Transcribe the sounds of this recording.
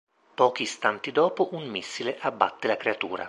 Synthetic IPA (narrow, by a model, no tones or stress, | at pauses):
pɔːk̟ist̪ant̪id̪ɔːpoʔunmisːileʔabːa̰t̪ːelakɾeat̪ṵːɾa̰